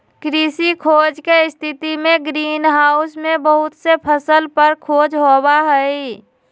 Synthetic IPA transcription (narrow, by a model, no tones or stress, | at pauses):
kɾisikʰoːd͡ʒkeɪst̪ʰɪt̪imẽɡɾiːnɦaːʊsmẽbəɦʊt̪sepʰəsəlpəɾkʰoːd͡ʒɦobaɦɛi